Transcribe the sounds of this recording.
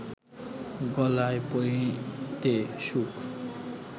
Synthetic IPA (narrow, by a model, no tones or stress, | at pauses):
ɡɔlaepoɾit̪eʃukʰ